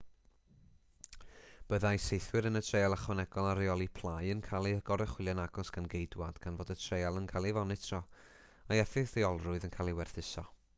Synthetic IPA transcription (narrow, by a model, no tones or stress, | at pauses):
b̥əðajsejθwɨɾənətʰr̥ejalˠaχwɔnɛɡɔlˠaɾiɔlˠipʰlˠajənkʰaːlˠiəɡ̥ɔɾɛχwɪlˠjanaɡɔsɡ̥anɡejdwad̥ɡ̥anvoːdətʰrejalˠənkʰalˠivɔnɨtʰrɔ | ajɛfɪθðiɔlˠrʊɨðənkʰaːlˠiwɛrθɪsɔ